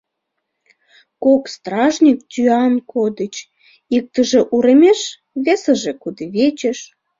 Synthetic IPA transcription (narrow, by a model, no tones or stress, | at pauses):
kokst̪ɾɑʒnʲik̚t̪ʲyɑnkʰod̪ət͡ɕ | ik̚t̪əʒĕʔuɾĕmʲeʃ | βesə̆ʒĕkud̪eβet͡ɕeʃ